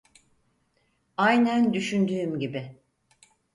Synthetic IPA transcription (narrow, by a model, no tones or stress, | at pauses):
ajnænd̪yʃynd̪yːmɟibɪ